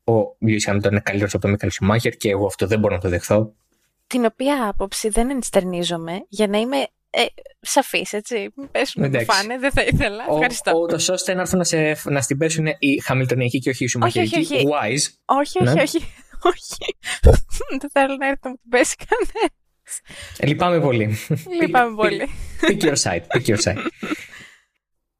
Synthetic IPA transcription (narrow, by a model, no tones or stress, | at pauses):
ovjoisxɐmilt̪oninkɐlit̪eɾosɐpot̪omikɐlosumɐçeɾceːɣoɐft̪oðeboɾonɐt̪oðexθo̞ | t̪ino̞piɐɐpo̞psiðenenst̪eɾnizo̞me̞ʝɐnɐime̞ | esɐfise̞t͡simpesunetd̪ɐkfsɐneðeθɐiθelɐoxɐɾist̪out̪oso̞st̪eenɐɾθonɐsefnɐst̪ibesuneʔixɐmilit̪oniɐciceo̞çiːsumoçeoɾiiçwɐjzo̞çioneioçioçi̥ | ðeθelonɐeɾθet̪ɐmut̪ibesi̥kʰɐne | slipɐmepo̞lilipɐmepolipicioɾsɐ̰jt̪picioɾsɐ̰i